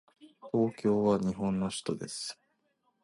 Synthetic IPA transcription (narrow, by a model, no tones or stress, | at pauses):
t̪o̞ːkʲo̞ːβaɲ̟iɦõ̞nːo̞ɕi̥t̪o̞d̪e̞sɨ̥